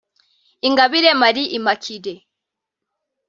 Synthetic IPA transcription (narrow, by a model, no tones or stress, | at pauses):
iŋɡaβiɾɛmaɾiʔimakʰidɛ